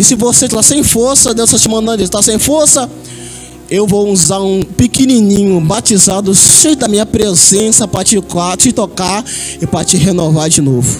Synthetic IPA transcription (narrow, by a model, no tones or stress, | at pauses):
ɪsɪvoset̪lasẽj̃foɾsɐd̪ewsat͡ʃɪmɐ̃nd̪ɐ̃ʊst̪asẽj̃foɾsɐ | ewvowuzaɾũpikinĩnĩɲʊbat͡ʃizad̪ʊʃẽjd̪ɐmĩɲɐpɾezẽsɐpɾɐt͡ʃɪkat͡ʃɪt̪okaɾ | ɪpɾɐt͡ʃɪɦenovaɾd͡ʒɪnovʊ